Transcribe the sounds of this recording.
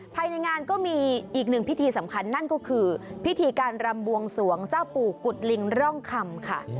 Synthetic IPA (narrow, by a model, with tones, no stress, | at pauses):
pʰaː˧jna˧jŋaː˧nkɔː˥˩miː˧ʔiː˨˩k̚nɯ˨˩ŋpʰi˦˥t̪ʰiː˧sa˩˦mkʰa˧nːa˥˩nkɔː˥˩kʰɯː˧pʰi˦˥t̪ʰiː˧kaː˧nɾa˧mbu˧əŋsu˩˦əŋt͡ɕaː˥˩wpuː˨˩ku˨˩t̪̚li˧ŋɾɔ˥˩ŋkʰa˧mkʰa̰˥˩